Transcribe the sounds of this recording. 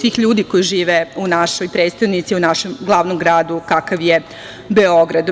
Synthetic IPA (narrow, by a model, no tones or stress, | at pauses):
sʋiːxʎuːd̪iko̞jiʒiːʋeunaʃojpɾet̪st̪aʋnit̪siunaʃemɡlˠaːʋnomɡɾaːd̪ukakaʋje | beo̞ɡɾad̪